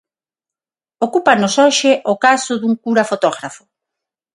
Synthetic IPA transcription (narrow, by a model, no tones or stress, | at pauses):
okupanosoʃɪʔokasʊðuŋkuɾafot̪ɔɣɾafʊ̥